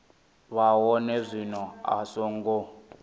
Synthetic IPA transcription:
βawɔnɛzʷinɔa̰sɔŋɡo

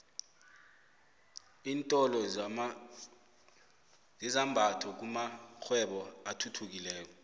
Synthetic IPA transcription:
iːntʼɔlɔ | zizambʱatʰɔk̬umaxʰwɛɓɔatʰutʰuk̬ilɛːk̬ɔ

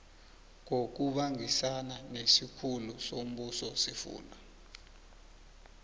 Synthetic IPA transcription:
ŋok̬uɓaŋisananesikʰulusom̩ɓusɔsifṵːna

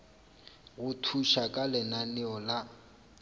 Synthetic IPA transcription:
ɣʊtʰuʃakʼalɪnanɪɔla

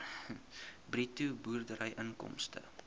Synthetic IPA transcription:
britubuːrdəɾəjʔəŋkɔ̰mstə̰

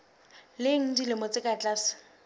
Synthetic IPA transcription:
lɪŋ̩dilɪmɔt͡sʼɪkʼat͡ɬʼaːsɪ̥

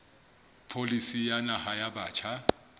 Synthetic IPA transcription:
pʰolisijanahajabaːt͡ʃʰa

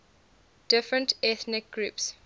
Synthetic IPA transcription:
d̥ɪfɹə̃ntʰɛθnɪk̚ɡ̥ɹups

